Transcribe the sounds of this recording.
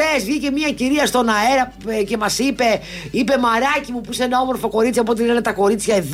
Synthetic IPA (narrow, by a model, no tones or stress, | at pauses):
ezʝice̞mɐciɾiɐst̪o̞nɐe̞ɾɐ | ce̞mɐsipe̞ | ipe̞mɐɾɐcimupuisenɐo̞mo̞ɾfo̞ko̞ɾit͡sjɐop̬ot̪einenɐt̪ɐko̞ɾit͡sçɐeð